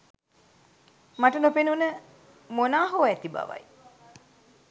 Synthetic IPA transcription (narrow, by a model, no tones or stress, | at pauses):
maʈənupenunə | monaːɦoːæt̪iba̰ʋa̰j